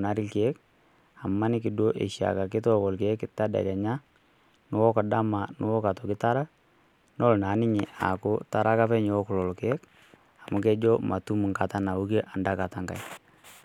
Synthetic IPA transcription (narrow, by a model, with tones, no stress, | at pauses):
na˦ɾɪ˦lke˦k | a˨mːa˦nɪ˦kɪ˨do˦ʔḛ˨ʃja̰˨ka˨kɪ˦tɔ˦kɔ˨lke˦kɪta˦da̰˨ɾa˨ɲa˦ | nʊ˦wɔ˦ka˨da˦ma˨nʊ˦wɔ˦ka˨tɔ˨kɪ˦ta˦ɾa˦ | nɔ˦lna˨˦nɪ˦ɲɪ˨ʔa̰˨kʊ˦ta˦ɾa˦ka˦fɛ˦ɲ˦wɔ˦kʊ˨lɔ˨lɔ˨kɛ˦k | a˨mʊ˦kɛ˦d͡ʒɔ˦ma˨tu˦mu˨ŋka˨ta˦na˨u˦ke˦ʔa˨nda˦ka˨ta˨ŋɡa̰˨j